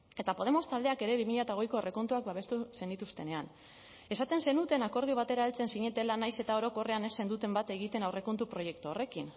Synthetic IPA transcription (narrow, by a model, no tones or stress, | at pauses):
e̞t̪apo̞ð̞e̞mo̞st̪ald̪e̞ake̞ɾe̞βimiʎat̪aoɣ̞ejko̞ere̞ko̞nt̪uak̚baβe̞st̪use̞nd̪it̪ust̪e̞ne̞an | e̞sat̪e̞nse̞nut̪e̞nako̞ɾð̞iuβ̞at̪e̞ɾaelt͡se̞nsiɲe̞t̪e̞lanajse̞t̪ao̞ɾo̞ko̞re̞ane̞sːe̞nd̪ut̪e̞mbat̪e̞ɣ̞it̪e̞nawre̞ko̞nt̪upɾo̞je̞k̚t̪uore̞kin